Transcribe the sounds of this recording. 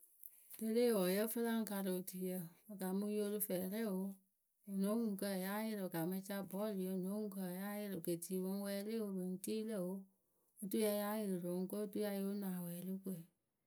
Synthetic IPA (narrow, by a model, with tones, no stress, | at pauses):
de˧leː˦˨wɔ˨jə˦fə˦lã˦ŋ̩˦ka˧ɾɨ˧o˨ti˨jə˧o˨ɡa˨mũ˧˦jo˧lɨ˧fɛː˨ɾɛ˦˨wo˧˦ | o˨nõ˨˦ŋũ˨kə˧˨ja˦je˧ɾɨ˨ɡa˨mã˧˦t͡ʃa˧bɔ˦˨li˨o˨˧˨nõ˨˦ŋũ˦kə˧˨ja˦je˧ɾɨ˨ke˨ti˨wɔ̃˧˦wɛː˧˦le˦wo˧be˨n̩˨tiː˦lə˦˨wo˨˦ | o˨tu˦ja˧ja˦je˨lɨ˨lo˨˦ŋ̩˦ko˦o˦tu˦ja˧jo˦nãː˨wɛː˨lɨ˦kʷe˨